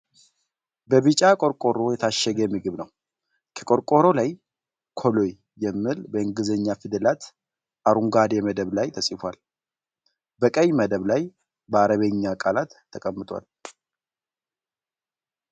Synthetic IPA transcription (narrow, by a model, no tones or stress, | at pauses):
bəβɨt͡ʃʼakʼo̞ɾkʼo̞ɾo̞jɛt̪ʰaʃɛɡəjɛmːiɡɨβnəw | kʰə̥kʼo̞ɾkʼo̞ɾo̞laj | kʰo̞lo̞jːɛmːɨlbəɨŋɡɨzəɲːafɨd̪əlat̪ | ʔaɾuŋɡad̪jɛməd̪əβlajt̪ʰəsʼifwal | bəkʼəjməd̪əβlaj | bəaɾəβeɲːakʼalat̪ʰːəkʼəmːɨt̪ʼwa̰l